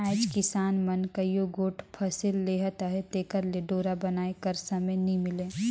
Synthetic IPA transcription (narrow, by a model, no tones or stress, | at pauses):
ɛːɪd͡ʒkɪsaːnmɐnkɐijoɡoːʈʰpʰɐsɪlːeɦat̪aɦɛt̪eːkəɾleɖoːɾabɐnaːekɐɾsɐmenimɪlẽː